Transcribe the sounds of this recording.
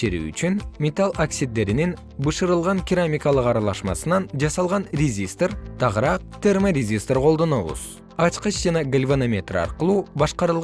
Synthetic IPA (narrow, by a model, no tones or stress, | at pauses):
ʃeɾy̰ːy̰t͡ʃynmʲet̪alˠoksʲid̪ːe̞ɾinin | bɯʃɯɾɯlˠʁɑŋkʲɪɾamʲikɑlˠɯqɑɾɑlˠɑʃmɑ̰sɯnɑnd͡ʒɑsɑlˠʁɑnrʲezʲist̪rt̪ʰɑʁɾɑq̚t̪ʰe̞rmərʲezʲist̪rqʰo̞lˠd̪o̞no̞βṵz̥ | ɑt͡ʃqɯt͡ʃd͡ʒɑnɑɡəlʲvonomʲe̞t̪rɑ̰ɾqɯlˠuːbɑʃqɑɾɯlˠ